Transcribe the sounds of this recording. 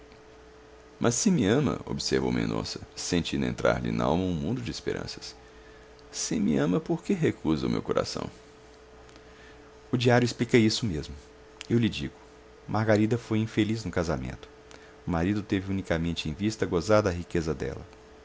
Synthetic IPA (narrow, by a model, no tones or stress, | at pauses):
mʔɐsːɪmɪɐ̃mɐ̰o̰bseɾvo̰wmḛ̃nõ̰sɐ̥sẽnt͡ʃĩnd̪ʊḛ̃nt̪ɾa̰ɾlɪ̰na̰wmɐũmũd̪ʊd͡ʒɪispḛɾʔɐ̰̃sɐ̥s | sɪmɪɐ̃mɐpoɾkeɦekuzɐʊmḛwkoɾʔa̰sɐ̰̃w̃ | ʊd͡ʒiaɾjʊɪsplikejisʊmezmʊ | ewlɪd͡ʒiɡʊ | mʔaɾɡaɾid̪ɐfojĩfeliznʊkazamḛ̃nt̪ʊ̥ | ʊmaɾid̪ʊt̪evɪũnikamẽnt͡ʃɪẽj̃vist̪ɐɡozaɾd̪ɐɦikezɐd̪ɛ̰lɐ